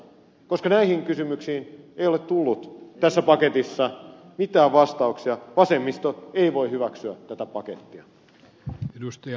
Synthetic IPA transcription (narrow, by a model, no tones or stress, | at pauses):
ko̞skɑnæihiŋkysymyksiːnejolet̪t̪ulːut̪t̪æsːæpɑke̞t̪isːɑ | mit̪æːʋʋɑst̪ɑuksiɑʋɑsemːist̪oeiʋo̞ihyʋæksyætt̪æt̪æpɑket̪ːiɑ | edust̪ɑ